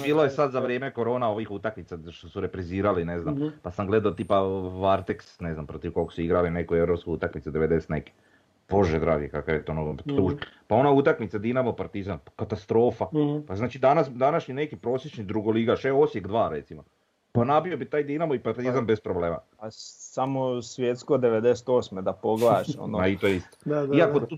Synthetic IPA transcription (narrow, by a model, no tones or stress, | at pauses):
biːlˠojesad̪zaʋɾjeːmeko̞ɾo̞ːnao̞ʋixut̪akmit̪saʃt̪osuɾepɾiziːɾalineznampasamɡled̪aot̪iːpaʋaɾt̪eksne̞znampɾot̪iʋkokosuiɡɾalinekoeʋɾo̞pskout̪akmit̪sed̪eʋed̪ese̥t̪nḛke̥ | b̥o̞ʒed̪ɾa̰ːɡikakajet̪onot̪uːʒepao̞naut̪akmit̪sad̪inamopaɾt̪izamkat̪ast̪ɾo̞ːfapaznaːt͡ʃid̪anasd̪anaʃɲine̞kipɾo̞ːsjet͡ʃnid̪ɾuɡoliɡaʃeosjekd̪ʋaːɾe̞t̪simo | panapiobit̪aːjd̪inamoipaɾt̪izambespɾobleːma̰ | asamosʋjet̪skod̪eʋed̪ese̥t̪oːsmed̪apoɡlaʃo̰noait̪ojeist̪o̥iako